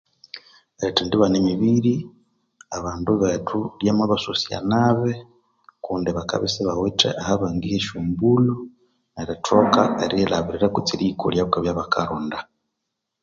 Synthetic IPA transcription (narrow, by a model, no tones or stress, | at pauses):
etindiβanemiβiɾi | aβaːnduβetʰuljamaβasusia̰naβe | kuːndiβaka̰βisiβawetḛʔahaβaŋɡiheʃuːmbulu | neɾetokaeɾilaβiɾiɾakut͡siɾikṵljaβukaβjaβakʰaɾunda